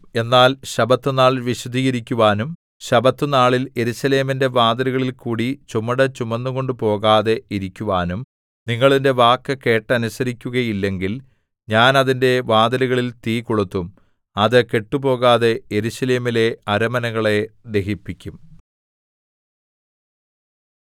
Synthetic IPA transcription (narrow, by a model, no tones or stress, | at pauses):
e̞nːaːlɕɐbɐt̪ːɨnaːɭʋiɕɐd̪ʱiːɣɐɾikʲːuʋaːnum | ɕɐbɐt̪ːɨnaːɭile̞ɾuɕɐle̞ːminde̞ʋaːd̪ɐɾuɣɐɭilkuːɽit͡ɕumɐɽɐt͡ɕumɐnːuko̞ɳɖupo̞ːɣaːðe̞iɾikʲːuʋaːnum | niŋːɐɭinde̞ʋaːkːɐke̞ːʈːɐnusɐɾikʲːuɣɐjilːe̞ŋɡil | ɲaːnɐðinde̞ʋaːd̪ɐluɣɐɭilt̪iːkoɭut̪ːum | ɐðɨke̞ʈːupo̞ːɣaːðe̞eɾuɕɐle̞ːmile̞ɐɾɐmɐnɐɣɐɭe̞d̪e̞ɦipːikʲːum